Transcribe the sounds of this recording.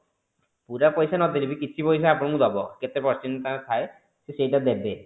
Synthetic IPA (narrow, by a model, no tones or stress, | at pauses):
puɾapɔjsanɔd̪iɾibikit͡ʃʰipɔjsaapɔɽɔkũd̪ɔbɔket̪epɔt͡ʃinːɔt̪at̪ʰae | sesejʈad̪ebe